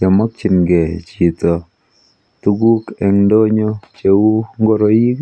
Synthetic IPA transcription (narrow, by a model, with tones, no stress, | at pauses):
ɛ˨mɔ˦k̚t͡ʃɪ˨nɡɛ˨t͡ʃi˨tɔ˨ | tu˦ɡu˦kɛ˨ŋdo˦ɲo˦t͡ʃe˨wu˦ŋɡo˦ɾo˨ji˦k